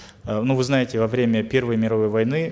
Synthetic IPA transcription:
nuvɨznajɪtʲɪvɐvɾʲemʲəpʲe̞rvəjmʲɪɾɐvo̞jvɐjnɨ

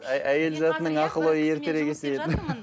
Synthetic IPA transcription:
æje̞lzɑt̪ənəɴɑqəlˠojəje̞ɾt̪e̞ɾe̞ɡʲesejed̪

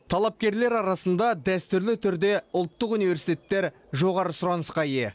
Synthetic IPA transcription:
t̪ʰɑlˠɑp̚kʲe̞ɾle̞ɾɑɾɑsənd̪ɑd̪æst̪ʏɾlɪt̪ʰʏɾd̪e̞ʊlˠt̪ːəqunijve̞ɾsi̥t̪ʲe̞t̪ːe̞ɾ | ʒo̞ʁɑɾəsʊɾɑnəsqɑje̞

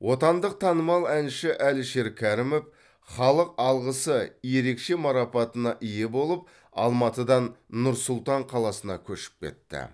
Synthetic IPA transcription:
wʔo̞t̪ɑnd̪əq̚t̪ʰɑnəmɑlˠænʃɪʔælʃe̞ɾkʲʰæɾɪmef | χɑlˠəq̚ɑlˠʁəsəje̞ɾe̞kʃe̞mɑɾɑpɑt̪ənɑʔije̞bo̞lˠəp̚ | ɑ̰lˠmɑt̪əd̪ɑnːʊɾsʊlˠt̪ɑɴqʰɑlˠɑsənɑkʲʰɵʃɪ̥p̚kʲʰe̞̰t̪ːɪ̰

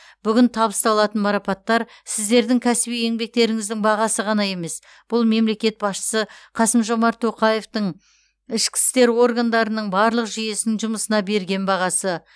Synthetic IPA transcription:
b̥ʏɡʲɪnt̪ʰɑbəst̪ɑlˠɑt̪ənmɑɾɑpɑt̪ːɑɾ | sɪzd̪e̞ɾd̪ɪŋkʲʰæsɪbije̞ŋbe̞k̚t̪e̞ɾɪŋɪzd̪ɪŋbɑʁɑsəʁɑnɑje̞me̞s | b̥ʊlˠme̞mle̞kʲe̞t̪̚bɑsʃə̥səqʰɑsəmʒo̞mɑɾt̪ʰːo̞qɑje̞ft̪əɴ | ɪʃkʲɪ̥st̪e̞ɾwo̞ɾɡand̪ɑɾənəɴbɑɾlˠəqʒije̞snɪŋʒʊməsənɑbe̞ɾɡʲe̞nbɑʁɑsə

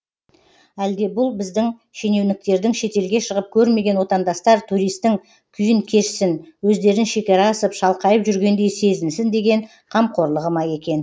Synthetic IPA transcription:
æld̪e̞bʊlˠbɪzd̪ɪŋ | ʃe̞ne̞wnɪk̚t̪e̞ɾd̪ɪŋʃe̞t̪e̞lɡʲe̞ʃəʁəp̚kʲʰɵɾme̞ɡʲe̞nwo̞t̪ɑnd̪ɑst̪ɑɾt̪ʰuɾijst̪ːɪŋ | kʲʰʏjɪŋkʲʰe̞ʃɪsɪnwɵzd̪e̞ɾɪnʃe̞kʲɑɾɑːsəpʃɑlˠqɑjəpʒʏɾɡʲe̞nd̪e̞jse̞zɪnsɪnd̪e̞ɡʲe̞ɴ | qʰɑmqʰo̞ɾlˠəʁəmɑje̞kʲe̞n

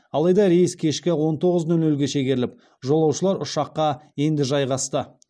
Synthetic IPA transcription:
ɑlˠɑjd̪ɑɾejɪskʲʰe̞ʃkʲɪwo̞nt̪ʰo̞ʁəznɵlnɵlɡʲe̞ʃeɡʲeɾɪlɪp̚ | ʒo̞lˠɑwʃəlˠɑɾʊʃɑqːɑje̞nd̪ɪʒɑjʁɑst̪ə

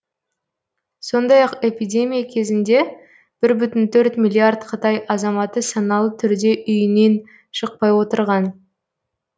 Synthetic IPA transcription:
so̞nd̪ɑjɑqe̞pijd̪ʲe̞mʲijakʲʰe̞zɪnd̪e̞ | b̥ɪɾbʏt̪ɪnt̪ʰɵɾt̪mʲilʲːiard̪qʰət̪ɑjɑzɑmɑt̪əsɑnɑlˠət̪ʰʏɾd̪e̞ʔʏjɪne̞n | ʃəq̚pɑjwo̞t̪əɾʁɑn

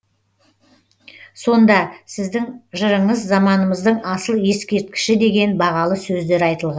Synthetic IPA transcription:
so̞nd̪ɑsɪzd̪ɪŋʒəɾəɴəzːɑmɑnəməzd̪əɴɑsəlˠje̞skʲe̞ɾt̪̚kʲɪ̥ʃɪd̪e̞ɡʲe̞nbɑʁɑlˠəsɵzd̪e̞ɾɑjt̪əlˠʁɑ

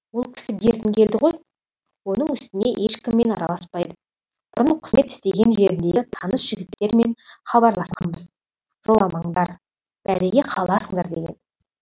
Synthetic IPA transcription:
wolˠkʲʰɪ̥sɪbe̞ɾd̪ɪŋkʲʰe̞ld̪ɪʁo̞j | wo̞nəɴʏst̪ɪne̞ʔe̞ʃkʲɪmːe̞nɑ̰ɾɑ̰lˠɑspɑjd̪ə | b̥ʊɾəɴqʰə̥zme̞t̪ɪ̥st̪e̞ɡʲe̞nʒe̞ɾɪnd̪et̪ʰɑnəsʒ̥ɪɡʲɪt̪ːe̞ɾme̞nχɑbɑɾlˠɑsqɑ̰nbəz | ʒ̥o̞lˠɑmɑɴd̪ɑɾ | b̥æɾeɡʲe̞qʰɑlˠɑsəŋd̪ɑ̰ɾd̪e̞ɡʲe̞̰n

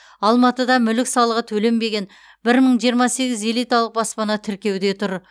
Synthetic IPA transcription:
ɑlˠmɑt̪əd̪ɑmʏlɪksɑlˠəʁət̪ʰɵle̞mbe̞ɡʲe̞n | bɪɾməɴʒijəɾmɑse̞ɡʲɪze̞lˠijt̪ɑlˠəq̚bɑspɑnɑt̪ʰɪɾkʲe̞wd̪e̞t̪ʰʊɾ

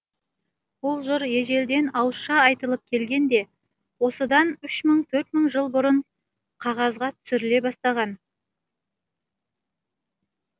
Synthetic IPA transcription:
bʊlˠʒʊɾjeʒe̞ld̪e̞nɑwəsʃɑɑjt̪əlˠəp̚kʲʰe̞lɡʲe̞nd̪e̞ | wo̞səd̪ɑnʏʃməɴt̪ʰɵɾt̪məɴʒəlˠbʊɾəɴ | qʰɑʁɑzʁɑt̪ʰʏ̥sɪɾɪle̞bɑst̪ɑʁɑn

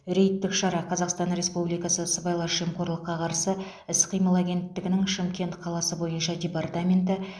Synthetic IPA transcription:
ɾe̞jt̪ːɪkʃɑɾɑqʰɑzɑqst̪ɑnɾe̞spublijkɑsəsəbɑjlˠɑʒijəmqʰo̞ɾlˠəqːɑqʰɑɾsə | ɪsqʰijməlˠaɡʲe̞nt̪ːɪɡʲɪnɪŋʃɪmkʲe̞nt̪qʰɑlˠɑsəbo̞jənʃɑdʲe̞part̪amʲe̞nt̪ɪ

